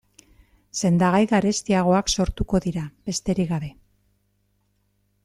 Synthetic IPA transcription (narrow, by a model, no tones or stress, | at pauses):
se̞nd̪aɣ̞ajɣaɾe̞st̪iaɣ̞o̞akso̞ɾt̪uko̞ðiɾaβe̞st̪e̞ɾiɣaβe̞